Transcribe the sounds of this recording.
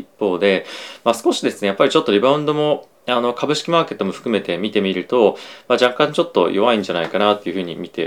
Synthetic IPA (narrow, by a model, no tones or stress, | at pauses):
ipːo̞ːd̪e̞masɨ̥ko̞ɕid̪e̞sɨne̞japːaɾʲit͡ɕo̞t̪ːo̞ɾʲibaɯ̟̃nd̪o̞mo̞ | ano̞kʰabɯ̟ɕi̥kʲimaːke̞t̪ːomo̞ɸɯ̟̥kɯ̟me̞t̪e̞mʲit̪e̞mʲiɾɯ̟t̪o̞mad͡ʑakãɲt͡ɕo̞t̪ːo̞̰jo̞βaĩɲ̟d͡ʑanaikanat̪ːe̞jiɯ̟ɸɯ̟ɲ̟ḭmʲit̪e̞̰